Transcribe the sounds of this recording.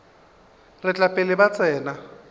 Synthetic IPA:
rɪt͡ɬʼapʼɪlɪbat͡sʼɛːna

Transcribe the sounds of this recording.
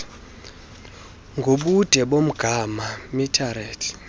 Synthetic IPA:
ŋɡʱoɓud̥ʱɛɓom̩ɡ̥ʱamamitʰaɾeːtʰi̥

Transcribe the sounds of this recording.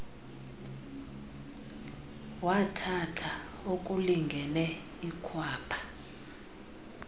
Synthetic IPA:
watʰatʰa | okʼuliŋɡʱɛnɛ | ikʰwaːpʰḁ

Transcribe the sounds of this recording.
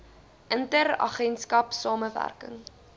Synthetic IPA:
ʔəntəɾɐ̰χɛnskɐpsɑːməvæ̰rkə̰ŋ

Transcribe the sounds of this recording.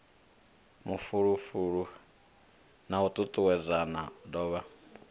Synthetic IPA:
mufuɺufuɺu | naut̪ʼutʼuwɛzanadɔːβa

